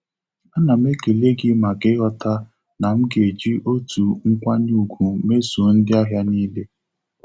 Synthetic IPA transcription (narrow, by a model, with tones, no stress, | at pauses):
a˦na˨me˦ke˨le˦ɡɪ˦ma˨ɡɪ˦ɦɔ˦ta˦ | na˨m̩˦ɡe˨d͡ʒi˦ʔo˦tu˨ŋ̩˦kʷa˦n˦u˨ɡʷu˨me˦su˨n̩˦dɪ˦a˦ɦja˦niː˦le˦